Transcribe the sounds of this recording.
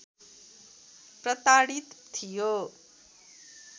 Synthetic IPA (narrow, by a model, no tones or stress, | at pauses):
prʌt̪aɽit̪t̪ʰijo